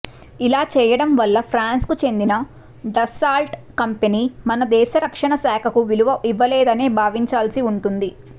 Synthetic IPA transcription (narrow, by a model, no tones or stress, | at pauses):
ilaːt͡ʃɛːjɐɽɐmʋɐlːɐpʰɾaːnskut͡ʃe̞nd̪inɐ | ɖɐsaːlʈkɐmpeniːmɐnɐd̪ɛːʃɐɾɐkʂɐɳɐsaːkʰɐkuʋiluʋɐʔiʋːɐlɛːd̪ɐne̞ːbʱaːʋiɲt͡ʃaːlsiuɳʈund̪i